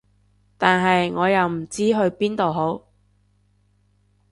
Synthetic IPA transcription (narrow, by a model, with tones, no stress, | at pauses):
t̪aː˨nɦɐ˨jŋɔː˨˧jɐ˨wm̩˨˩t͡siː˥ɦɵ˧ɥpiː˥nt̪o˨wɦo˨˥w